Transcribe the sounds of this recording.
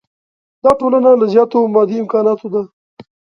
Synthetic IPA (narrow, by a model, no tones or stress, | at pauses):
d̪ɑʈolanalazjɑːt̪omɑd̪iɪmkɑːnɑːt̪od̪a